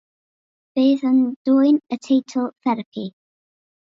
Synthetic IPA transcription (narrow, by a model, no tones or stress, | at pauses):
v̥eːðənd̥uːjnətʰeːtʰəlˠθɛɾəpʰi